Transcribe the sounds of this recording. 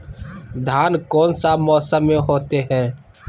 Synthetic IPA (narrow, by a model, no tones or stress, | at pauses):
d̪ʱaːnkɔːnsamɔːsəmːẽɦoːt̪eɦɛ̃ː